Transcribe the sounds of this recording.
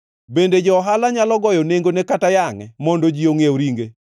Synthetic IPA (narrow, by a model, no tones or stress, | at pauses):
bended͡ʒɔːɦalaɲalɔɡɔjɔneŋɡonɛkatajaŋɛmɔndod͡ʒioŋeoɾiŋɡe